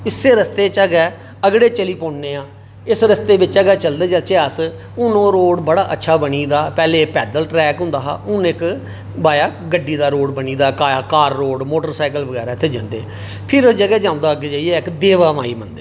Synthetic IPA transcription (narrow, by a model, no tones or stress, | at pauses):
ɪsːeːɾəst̪eːt͡ʃəɡɛː | əɡɽeːt͡ʃəliːpõːɳneːãː | ɪsɾəst̪eːbɪt͡ʃəɡɛːt͡ʃəld̪eːd͡ʒət͡ʃeːəs | ʊnõːɾoːɽbəɽaːʔətːʃʰaːbəniːd̪aːpɛːleːpɛːd̪əlʈɾɛːkɦʊ̃nd̪aːɦa̰ːʊnɪk | baːjaːɡəɖːiːd̪aːɾoːɽbəniːd̪aːkaːkaːɾːoːɽmoːʈəɾsaːɪkəlʋəɡɛːɾaːɪt̪ʰːeːd͡ʒã̰ːnd̪ḛː | pʰɪɾd͡ʒəɡɛːd͡ʒãːʊ̃nd̪aːəɡed͡ʒaːiɛːɪkd̪eːʋaːmaːḭːmənd̪eː